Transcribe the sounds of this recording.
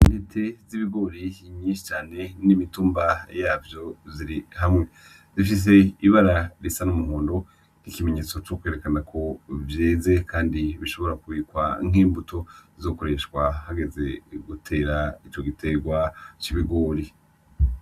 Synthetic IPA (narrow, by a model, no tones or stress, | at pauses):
ndetʰe̞ziβiɡo̞ɾiɲiːʃit͡ʃaːne̞nimituːmbajaːvjo̞ziɾihamŋe̞ | zifis̬e̞iβaɾaɾisanumuhuːndo̞ | nikime̞ɲe̞ːt͡so̞t͡ʃoːkwe̞ɾe̞kanakʰo̞vjeːze̞kʰaːndiβiʃo̞βo̞ɾakuβiːkwa̰ŋ̥iːmbutʰo̞izo̞ːko̞ɾe̞ʃkwahaɡe̞ze̞ɡutʰe̞ːɾait͡ʃo̞ɡitʰe̞ɡwat͡ʃiβiɡo̞ɾi